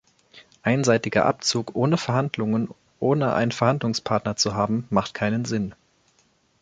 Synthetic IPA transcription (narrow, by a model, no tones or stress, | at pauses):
ʔaɪnzaɪtɪɡɐ̰ʔa̰p̚t͡suːkʔoːnəfɛɐɦandlʊŋən | ʔoːnəʔa̰ɪnfɛɐhandlʊŋspʰaɐtnɐt͡suɦaːbm̩maχtkʰaɪnənzɪn